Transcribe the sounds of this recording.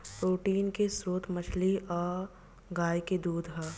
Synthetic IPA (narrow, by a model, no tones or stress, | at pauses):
pɾoːʈiːnkesɾoːt̪mɐt͡ʃʰliʔɔːɾ | ɡaːjked̪uːd̪ʱɦɛː